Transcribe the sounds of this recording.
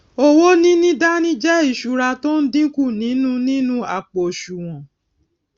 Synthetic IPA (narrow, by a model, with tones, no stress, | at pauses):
o˦wo˦nĩ˦nĩ˦da˦nĩ˦d͡ʒɛ˦i˦˨ʃu˨ɾa˧to˦n̩˦dĩ˦ku˦˨nĩ˨˦nũ˦nĩ˦nũ˦a̰˦˨k͡pɔ˨ʃu˨w̃ɔ̃˨